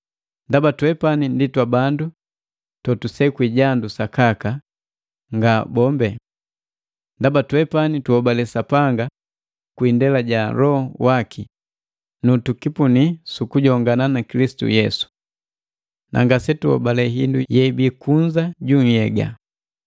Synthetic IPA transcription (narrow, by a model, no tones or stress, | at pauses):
ndabatɛpaninditwabandu | tɔtusɛkwiɟandusakaka | ŋɡabɔmbɛ | ndabatuwɛpanituhɔbalɛsapaŋɡa | kwindɛlaɟalɔhɔwakʰi | nutukipunisukuɟɔŋɡananakilisi̥tṵjɛsu̥ | nʔa̰ŋɡasɛtuhɔ̰balɛɦḭndujɛibikuɲd͡ʒaɟuŋ̩jɛɡa̰